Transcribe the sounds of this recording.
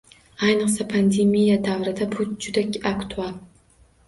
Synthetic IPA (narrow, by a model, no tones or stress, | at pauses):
ajnɨqsapʰand̪emijad̪avɾɪd̪abʰʊt̪d͡ʒʊd̪akʲakt̪ʰualˠ